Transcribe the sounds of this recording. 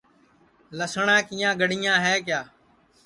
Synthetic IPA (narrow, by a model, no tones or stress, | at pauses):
ləsɳãːkijãːɡəɽɪjãːɦɛːk̬jaː